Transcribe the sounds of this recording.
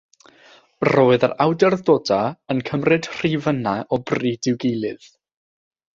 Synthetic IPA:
roːɨðərawdɛrðoːdaənkʰəmrɨd̥r̥ivənaʔɔbriːdɪwɡejlˠɨð̥

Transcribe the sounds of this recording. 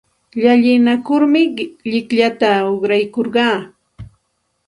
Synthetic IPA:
ʎaʎɪnakʊɾmɪʎɪkʎat̪aoχɾajkoɾɢɑː

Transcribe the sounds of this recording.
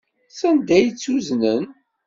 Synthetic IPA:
sænd̪æjt͡sːuznən

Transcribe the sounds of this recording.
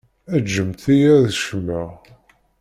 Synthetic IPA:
æd͡ʒːəmt̪ijæðʃəmːə

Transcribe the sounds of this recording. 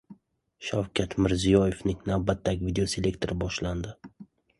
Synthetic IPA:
ʃawkʲʰat̪mɪɾzijɒje̞fnɪŋnavbat̪ʰːaɡʲvid̪eose̞le̞kt̪ʰe̞ɾɪbɒʃland̪ɪ

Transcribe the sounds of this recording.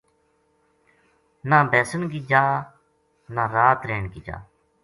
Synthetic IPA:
naːbɛːsənɡiːd͡ʒaː | nãːɾaːt̪ɾeːɳɡiːd͡ʒa̰ː

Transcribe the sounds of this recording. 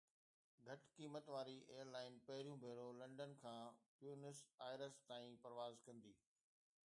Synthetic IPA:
ɡʱɐʈkiːmət̪ʋaːɾiʔeːjəɾlaːɪnpɐɦɪɾijũbʱeːɾolɐ̃ɳɖənkʰãːpjuːnɪsaːɪɾəst̪aːĩpɐɾʋaːzkɐ̃nd̪iː

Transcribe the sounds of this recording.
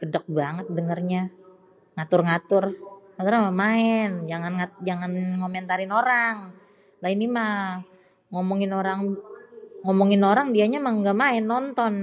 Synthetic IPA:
kədək̚baŋət̪̚dəŋərɲa | ŋat̪ʊrŋat̪ʊrŋat̪ʊɾamamaɛnd͡ʒaŋanŋad͡ʒaŋanŋomɛnt̪aɾɪnoɾaŋ | lainima | ŋɔmɔŋɪnoɾaŋ | ŋɔmɔŋɪnoɾaŋdiaɲamaŋɡamaɛnːɔnt̪ɔn

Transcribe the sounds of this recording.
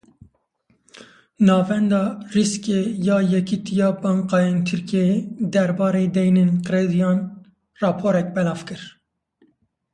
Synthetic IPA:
nɑːvɛnd̪ɑːriskeːjɑːjɛkit̪ʰijɑːbɑɴqɑːjeːnt̪ʰɨɾkijeed̪ɛɾbɑːɾeːd̪ɛjneːnqɨɾeːd̪ijɑːn | rɑːpʰoːɾɛk̚bɛlɑːvkɨɾ

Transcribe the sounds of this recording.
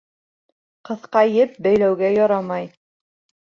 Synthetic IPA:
qɤ̆θqɑjɘp̚bæjlæwɡæjɒɾɑmɑj

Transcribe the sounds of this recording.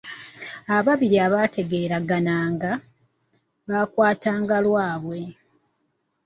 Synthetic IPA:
aβaβiɾiaβaːtʰe̞ɡe̞ːɾaɡanaːŋɡa | βakwaːtaːŋɡalwaːβwe̞

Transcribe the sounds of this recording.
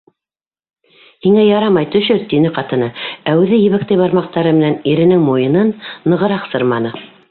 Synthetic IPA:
hiŋæjɑɾɑmɑjt̪ɵ̆ʃɵɾt̪inɘqɑt̪ɤ̆nɤæwɘðɘjɘ̆βɘ̆k̚t̪æjbɑɾmɑq̚t̪ɑɾɤmɘ̆næniɾɘ̆nɘŋmujɤ̆nɤnːɤ̆ʁɤ̆ɾɑqsɤɾmɑnɤ

